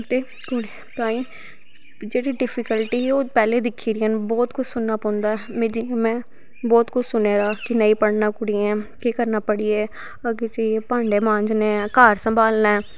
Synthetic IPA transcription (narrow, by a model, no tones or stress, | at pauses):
t̪eː | koɽi | t̪aːĩː | d͡ʒeːɽiːɖɪpʰɪkəlʈiːɛːoːpɛːleːd̪ɪkʰːiːɾɪɛ̃ːnbɔːt̪kʊt͡ʃʰsʊnːaːpɔ̃nd̪aːɛmed͡ʒimɛ̃ː | bɔːt̪kʊt͡ʃʰsʊneːɾaːkɪnəiːpəɽnaːkʊɽiːɛ̃ːkekəɾnaːpəɽiːeː | əɡeːt͡ʃaːieːpãːɳɖeːmãːɲd͡ʒnẽːkaːɾsəmbaːlnaːɛː